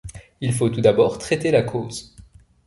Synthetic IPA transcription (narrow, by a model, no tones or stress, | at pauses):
ilfot̪ud̪abɔʁt̪χɛt̪elakʰoːz